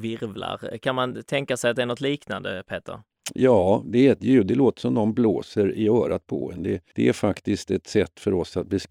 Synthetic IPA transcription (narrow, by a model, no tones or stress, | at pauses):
vɪɾvla̰ɾkʰanmant̪ʰɛŋkasɛjat̪d̪ɛæɾnɔt̪liːkna̰nd̪ə̰pʰeːt̪ʰə̰ɾ | jɑːd̪ɛɛt̪jʉ̟ːd̪ɛloːt̪ə̥sɔmnɔnblo̰ːsəɾɪœːɾat̪̚pʰɔ̰ɛnd̪ɛd̪̥ɛæɾfakt̪ɪst̪ɛt̪sɛt̪ːfœɾɔsːat̪̚bɛs